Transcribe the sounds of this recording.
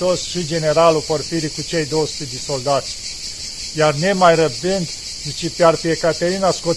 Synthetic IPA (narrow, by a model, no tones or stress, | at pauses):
osʃid͡ʒe̞ne̞ɾaluporfiɾikut͡ʃe̞jd̪owəsu̥t̪ed̪eso̞ld̪at̪sʲ | jarne̞majrəb̪ɨnd̪ | d̪ɨt͡ʃipearpiekat̪eɾinasko